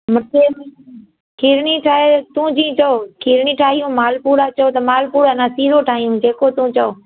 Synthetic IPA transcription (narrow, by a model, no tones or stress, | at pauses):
mʊt̪eːm | kʰiːɾɳiʈʰaːɦet̪ũːd͡ʒĩːt͡ʃəokʰiːɾɳiːʈʰaːɦijũːmaːlpuːɾat͡ʃəot̪ɐmaːlpuːɾənãːsiːɾoʈʰaːɦijũːd͡ʒeːkot̪ũt͡ʃəoː